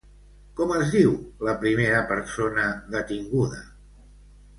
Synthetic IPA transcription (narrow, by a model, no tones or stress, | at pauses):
kɔməzðiwləpɾimeɾəpəɾsonəðət̪iŋɡuðə